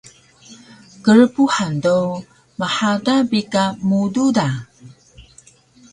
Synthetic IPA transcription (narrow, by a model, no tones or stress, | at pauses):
kəɻpuħando | maħadabikamududa